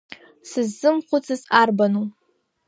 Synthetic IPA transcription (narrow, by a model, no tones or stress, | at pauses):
sɨzːɨmχʷʊt͡sʰɨzarbanu